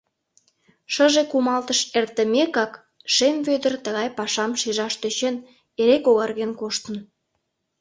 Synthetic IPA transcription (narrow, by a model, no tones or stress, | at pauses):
ʃəʒekumɑlt̪əʃert̪ə̆mekɑk | ʃemvød̪ərt̪əɣɑjpɑʃɑmʃiʒɑʃt̪øt͡ɕen | eɾekoɣɑrɣenkoʃt̪ə̆n